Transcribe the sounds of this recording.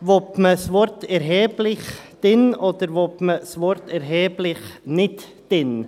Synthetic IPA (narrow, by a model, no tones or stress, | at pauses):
ʋɔpməsʋɔɾt̪ɛɾɦɛːblɪχd̪̥ɪnɔd̪̥əɾʋɔpməsʋɔɾtɛɾɦɛːblɪχnɪt̪ | d̥ɪn